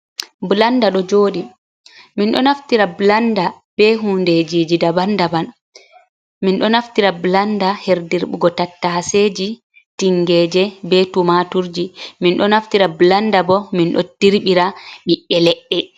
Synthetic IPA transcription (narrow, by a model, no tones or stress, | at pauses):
blandaɗɔd͡ʒoːɗi | minɗɔnaftiɾablanda | b̥ɛɦunded͡ʒid͡ʒidabandaban | minɗɔnaftiɾablandaheɾdiɾɓḭɡɔtatːased͡ʒi | tiŋɡɛːd͡ʒɛbɛtumatuɾd͡ʒiminɗɔnaftiɾablandabɔminɗɔ̰tiɾɓiɾaɓiʔːɛlɛʔːɛ